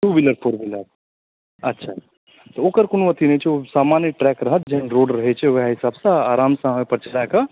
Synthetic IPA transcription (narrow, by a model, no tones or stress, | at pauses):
ʈubiləɾpʰoːɾbiləɾ | ɐtːʃʰa | t̪ɔoːkəɾkonuʋət̪inət͡ʃʰɛosaːmaːnjʈɾɛkɾəɦət̪̚d͡ʒeɦnɾoːɖɾəɦɛt͡ʃʰɛʋɐɦaɦɪsaːbsãaːɾaːmsãɦmepəɾt͡ʃəlaeka